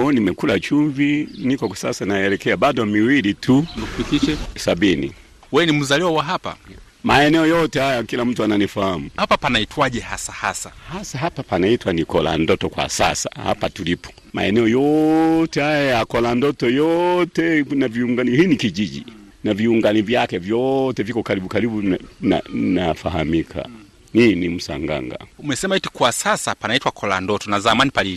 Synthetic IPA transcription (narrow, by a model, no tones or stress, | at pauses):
ɔnimɛkulat͡ʃuvinikɔksa̰sanaɛlɛkɛabadɔmiwilitʰuukupitiʃɛsabinḭ | wɛɛnim̩zaliwawaɦapa̰ | maɛnɛɔjɔtɛhajaakilam̩tuananifahamuhapapanaitwaʄɛhasaha̰sahasaɦapapanaitwanikɔla̰ndɔtɔkwa̰sa̰sa̰ha̰patulipʰɔ̥ | ma̰ɛnɛɔjɔtɛhajajakɔlandɔtɔjɔtɛnaviuŋɡanihiːnikiʄiʄḭ | naviuŋɡanivjakɛvjɔtɛvjikɔkaɾiɓukaɾibuna̰nafaɦamikʰa̰ | ninim̩sa̰ŋɡa̰ŋɡa̰umɛsɛmaiti̥kwasasapanaitwakʰɔlandɔtɔnazamanipali